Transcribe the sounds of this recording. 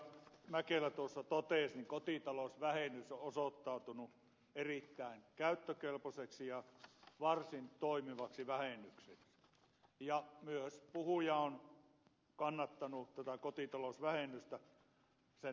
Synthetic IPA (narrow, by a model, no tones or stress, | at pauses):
mækelæt̪uosːɑt̪ot̪eˑsniŋkot̪it̪ɑlosʋæhenːˑysoʔosot̪ːɑˑut̪unu | erit̪ːæˑenkæˑyt̪ːøkelposeksijɑʋɑrsint̪oˑimiʋɑksiʋæhenːˑykseksi̥ | jɑmyøspuhujɑon | kɑnːɑt̪ːɑnut̪æt̪ækot̪it̪ɑlosʋæhenːˑyst̪æ | se